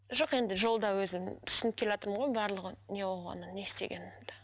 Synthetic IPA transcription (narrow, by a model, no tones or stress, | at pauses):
ʒo̞qe̞nd̪ɪʒo̞lˠd̪ɑwɵzɪmt̪ʰʏ̥sɪnɪp̚kʲʰe̞lɑt̪əɾməmɴʁo̞jbɑɾlˠəʁənʲewoʁɑ̰nəne̞st̪e̞̰ɡʲe̞̰nɪmd̪ɑ̥